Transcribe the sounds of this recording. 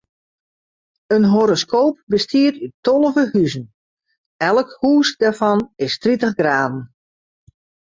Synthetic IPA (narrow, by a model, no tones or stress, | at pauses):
ənɦoɾoskʰoːp̚bəstʰiətytːɔlˠəvəhyzən | ɛlˠəkhuːsdafɑnɪstritəχɡraːdn̩